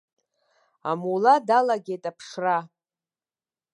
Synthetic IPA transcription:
a̰muladalaɡʲejtʼapʰʂra

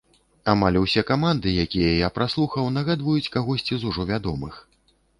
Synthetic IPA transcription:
amalʲusʲɛkamand̪ɨjakʲijɐjapɾaslˠuxɐwnɐɣad̪vɐjut͡sʲkaɣɔsʲt͡sʲizuʐɔvʲad̪ɔmɨx

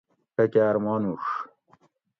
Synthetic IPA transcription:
pɐkeːɾmɑːnuʂ

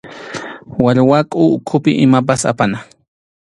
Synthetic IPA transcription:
waɾwakʼʊːkʰʊpɪʔɪmap̬asa̰pana

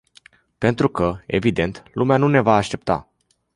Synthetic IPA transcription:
pe̞nt̪ɾukəe̞vid̪e̞nt̪lumeanune̞vaːʃt̪e̞pt̪a̰

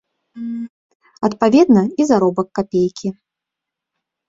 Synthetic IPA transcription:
ɐt̪pavʲɛd̪nɐizaɾɔbɐkːapʲejkʲʰi

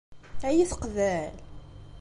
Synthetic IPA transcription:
æjiθə̥qðæl

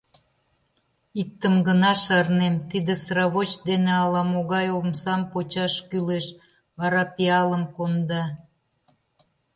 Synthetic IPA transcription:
ik̚t̪ːəmɡənɑʃɑrnemt̪id̪esɾɑβot͡ɕd̪eneɑlɑmoɣɑjomsɑmpot͡ɕɑʃkyleʃ | βɑɾɑpiɑləmkond̪ɑ

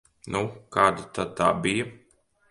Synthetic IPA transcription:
nukaːd̪at̪ad̪̚t̪a̰ːbijɐ

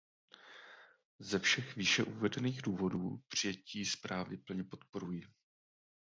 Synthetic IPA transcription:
zɛfʃɛxviːʃɛʔuvɛdɛniːɣduːvo̞duːpr̝̥ɪjɛciːspɾaːvɪpl̩ɲɛpo̞t̪po̞ɾujɪ

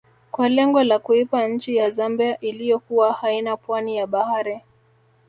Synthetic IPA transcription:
kwalɛŋɡɔlakuipaɲ̩t͡ʃijazambiaʔilijɔkuwahainapwanijaɓahaɾi

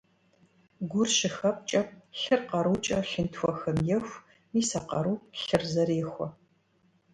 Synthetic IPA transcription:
ɡʷʊrʃɪxɐp̚t͡ʃʼɐp̚ʼɬɨrqɐɾuːt͡ʃʼɐɬɨntxʷɔxɐmjɛxʷ | miːsɐqɐɾuːɬɨrzɐɾeːxʷɔ

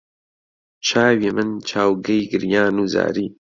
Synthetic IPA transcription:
t͡ʃʰaːwimɨnt͡ʃʰaːwɡɐjɡɨɾjaːnuːza̰ːɾiː

